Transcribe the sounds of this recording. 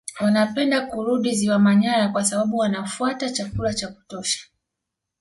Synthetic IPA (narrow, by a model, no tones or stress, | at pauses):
wanapɛndakuɾuɗiziwamaɲaɾakwasaɓaɓuwanafuatat͡ʃakulat͡ʃaku̥tɔʃḁ